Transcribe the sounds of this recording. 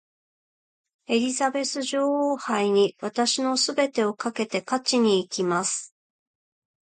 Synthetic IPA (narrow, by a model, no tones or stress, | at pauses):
e̞ɾʲizabe̞sɨʑo̞ːhoːhaiɲ̟iβat̪aɕino̞sɨbe̞t̪e̞o̞kake̞t̪e̞kat͡ɕiɲ̟iːkʲimasɨ̥